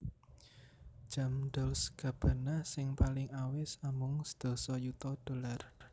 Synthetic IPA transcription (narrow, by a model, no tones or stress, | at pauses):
ʒ̥a̤md̪ɔlsɡ̥ä̤b̥a̤nahsɪŋpalɪŋawɪsamʊŋsə̥d̪̥o̤sɔjut̪ɔd̪̥o̤lar